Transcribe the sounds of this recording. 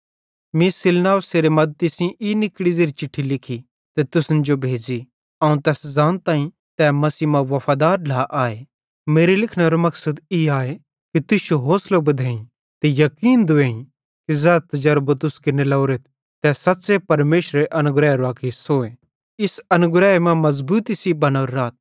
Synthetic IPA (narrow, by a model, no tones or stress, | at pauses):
mĩsɪlnaːʋseːɾemɐd̪̚t̪isĩʔinɪkɽizeːɾit͡ʃɪʈʰːilɪkʰi | t̪ɛt̪ʊsnd͡ʒobʱeːd͡ʒi | ɐũt̪ɛːszãːnt̪aːĩ | t̪ɛːmɐsiːmãʋɐfʰaːd̪aːɾlaʔaːe | meːɾelɪkʰɽ̃aɾomɐksəd̪iaːe | kit̪ʊsjoɦoːslobɐd̪ʱeːĩ | t̪ejɐkiːnd̪ʊeːĩ | kizɛːt̪ɐd͡ʒɐɾbət̪ʊskɪnelɐːɾet̪̚ʰ | t̪ɛːsɐt̪ːsepɐɾmeːʃɾeʔɐnʊɡɾɛːeɾoaːkʰesoːe | ɪsɐnʊɡɾɛːemɛ̃mɐzbuːt̪isibɐñaːɾːaːt̪̚